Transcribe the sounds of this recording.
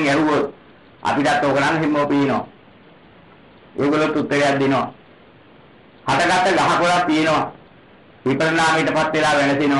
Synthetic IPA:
ŋɛɦuʋo | a̰piʈat̪ːoːkənaŋɦimːoːpijenoʋa̰ | eːɡolːot̪ːut̪ːəɾejat̪̚d̪inoʋa̰ | hat̪əɡat̪ːəɡaɦakolat̪ːijenoʋa | ʋipɾənaːmiʈəpat̪ːelaːʋænəsino

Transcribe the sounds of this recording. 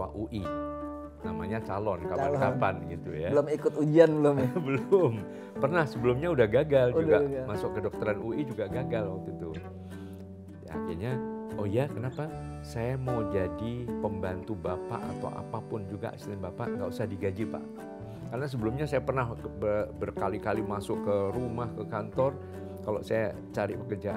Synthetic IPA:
wa̰ʔuʔi | namaɲat͡ʃalɔnkaankapanɡit̪ujaəlʊmikʊt̪ud͡ʒianbəlʊmbəlʊm | pərnahsəbəlʊmɲaudahɡaɡaludɡamasʊkːədɔk̚t̪əɾanuʔid͡ʒuɡaɡaɡalwak̚t̪ut̪u | a̰kɪ̰rɲaʔojakənapa | sajamawd͡ʒadipəmbant̪ubapa̰ʔa̰t̪a̰wʔa̰papʊnd͡ʒuɡa̰ʔsnanbapa̰ŋɡausahdiɡad͡ʒipa̰ʔ | karənas̬əbəlʊmɲasajapərnaɦbəbərkalikalimasʊkːəɾumahkəkant̪ɔr | kalo̰saja | t͡ʃaɾḭpəkərd͡ʒaʔ

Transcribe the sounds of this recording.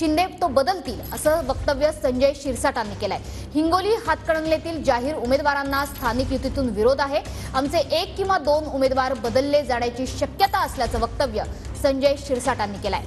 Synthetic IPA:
ɕind̪ʱet̪obəd̪əlt̪iːləsəːʋək̚t̪əʋjəsəɲd͡ʑəjɕiɾsaʈanːiːkelae | hiŋɡoliːɦat̪kəɽəŋljet̪iːld͡ʑaɦiːɾumed̪ʋaɾanːast̪ʰanikjut̪it̪uːnʋiɾod̪aɦe | amt͡seʔekːĩw̃ʋad̪onumed̪ʋaɾbəd̪əlːed͡zaɽ̃jat͡ɕiːɕəkjət̪aəsljat͡səːʋək̚t̪əʋjə | səɲd͡ʑəjɕiɾsaʈanːiːkela̰ḛ

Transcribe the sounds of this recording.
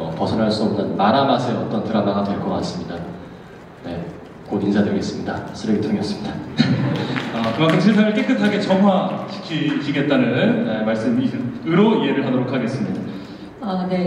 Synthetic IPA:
pʌsʰʌnɦaɭs͈uʌmnɯnmaɾamasʰe̞ʌt͈ʌntɯɾamaɡatwe̞ɭk͈ʌk͈a̰s͈ɯmɲida | ne̞ | koind͡ʑʰadweɭɡe̞s͈ɯmɲidasʰɯɾeɡitʰoŋejʌs͈ɯmɲida | ʌkɯmak͈ʰɯmɕʰis̬ʰaŋɯɭk͈ek͈ɯkʰaɡe̞t͡ɕʌmɦwat͡ɕʰi̥kʰiɕʰiɡe̞t̚t͈anɯnemaɭs͈ɯmiɯɾoie̞ɾɯɭɦadoɾokʰaɡe̞s͈ɯmɲida | ane̞

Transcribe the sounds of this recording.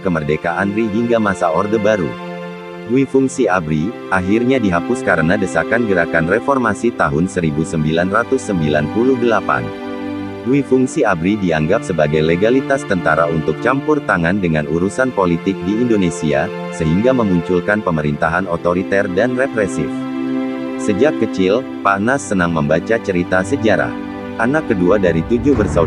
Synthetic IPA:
kəmərdekaʔanriɦiŋɡamasaɔrdəbaɾṵ | wifuŋsiabɾi | aɦirɲadiɦapʊskaɾənadəsakanɡəɾakanrefɔrmasit̪aɦʊnsəɾibusəmbilanrat̪ʊsːəmbilanpuluhdəlapa̰n | wifuŋsiabɾidiaŋɡap̚səbaɡajleɡalit̪ast̪ənt̪aɾaunt̪ʊk̚t͡ʃampʊrt̪aŋandəŋanuɾusanpolit̪ɪk̚diːndonesia̰ | səɦiŋɡaməmuɲt͡ʃulkanpəməɾint̪aɦanot̪oɾit̪ɛrdanrepɾɛsɪ̰f | səd͡ʒakːət͡ʃɪl | panasːənaŋməmbat͡ʃat͡ʃəɾit̪asəd͡ʒaɾa̰h | ʔanakːəduadaɾit̪ud͡ʒuhbərsa

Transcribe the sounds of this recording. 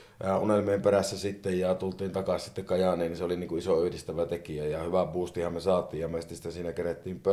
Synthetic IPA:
æʔunelmieːmperæsːæsit̪ːejjɑt̪ult̪iːnt̪ɑkɑsʲsit̪ːekkɑjɑnˑeːnninseoliniːŋkuʔisoyhdist̪æʋæt̪ekiæjɑhyʋæpuːst̪ihɑmmesɑːt̪ˑiːjjɑmeˑst̪ist̪æsiːnækeret̪ːiːmpø

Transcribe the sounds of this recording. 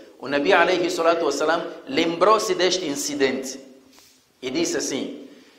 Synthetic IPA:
ṵnɐbialejhisːɔlat̪uwɐsːɐlamlembɾosid̪eʃt̪ĩnsid̪ẽnt̪ | id̪isasḭ̃

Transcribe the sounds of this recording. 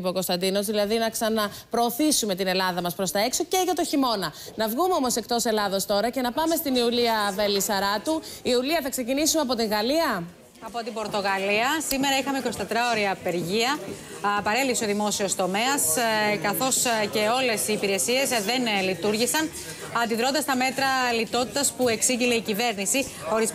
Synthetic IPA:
poko̞st̪ɐnd̪ino̞zðilɐðinɐksɐnɐ | pɾo̞ːθisume̞t̪ine̞lɐðɐmɐspɾo̞st̪ɐe̞kso̞ce̞ʝɐt̪o̞çimo̞nɐnɐvɣumeo̞mo̞se̞k̚t̪o̞se̞lɐðo̞st̪o̞ɾɐce̞nɐpɐme̞st̪iniuliɐvelisɐɾɐt̪uiuliɐθɐkse̞cinisumeɐpo̞t̪iŋɣɐliɐ | ɐpo̞t̪ibo̞ɾt̪o̞ɣɐliɐsime̞ɾɐixɐmekɾost̪ɐt̪ɾɐoɾiɐpe̞ɾʝiɐ | pɐɾe̞liseo̞ðimo̞sio̞st̪o̞me̞ɐskɐθo̞sce̞o̞le̞siːpiɾe̞sie̞zðe̞nlit̪uɾʝisɐn | ɐnd̪iðɾo̞nd̪ɐst̪ɐme̞t̪ɾɐlit̪o̞t̪i̥t̪ɐspue̞ksiʝile̞icive̞ɾnisi | o̞ɾiz

